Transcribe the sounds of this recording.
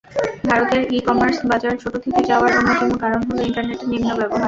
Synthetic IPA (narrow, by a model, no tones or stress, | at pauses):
bʱaɾot̪eɾikɔmaɾsbad͡ʑaɾeɾt͡ɕʰoʈot̪ʰet̪ed͡ʑaoaɾd͡ʑonːotemokaɾonɦoleiɳʈaɾneʈenimːobɛboɦa